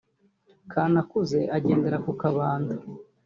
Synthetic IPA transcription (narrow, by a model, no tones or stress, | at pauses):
kʰaːnakuze̞ʔaɟe̞ːnde̞ɾakukaβaːndu